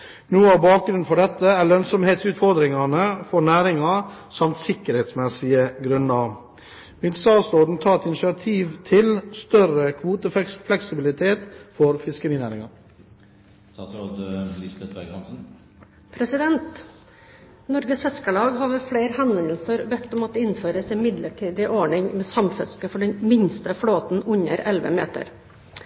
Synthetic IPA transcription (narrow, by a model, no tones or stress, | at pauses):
nuːɑʋbɑːk̚ɡɾʉn̩fɔɖɛt̪ːəælœnsɔmheːt̪sʉːt̪fɔɾd̪ɾɪŋɑnəfɔnæːɾɪŋɑsɑmt̪sɪkːəɾheːt̪smɛsɪəɡɾʉnɑ | mɪnst̪ɑːsɾoːd̪n̩t̪ʰɑːɾɛt̪ɪnɪʂɪɑt̪ʰiːʋt̪ʰɪlst̪œɾəkʰʋuːt̪əfflɛksɪbɪlɪt̪ʰeːt̪fɔɾfɪskəɾiːnæːɾɪŋɑ | t̪ɑsɾoːd̪əɪsbɛt̪bæɡɑnsn̩ | pʰɾɛsɪd̪ɛnt̪ | nɔɾɡəshɛskəlɑːɡɦɑɾʋəfleːɾhɛnənəlsəɾbɛt̪ːɔmɔt̪ːɪnføːɾəsɪmɪd̪ləʈʰiːd̪ɪʔɔɳɪŋmeːsɑmfɛskəfɔɖɛnmɪɲst̪əfɽoːt̪n̩ʉɲə̰ɾɛlʋə̰mḛːt̪ə̰ɾ